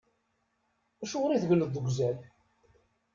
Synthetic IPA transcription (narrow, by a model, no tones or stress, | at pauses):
æʃʊʁɾiðʝləðˤːəɡʷzæl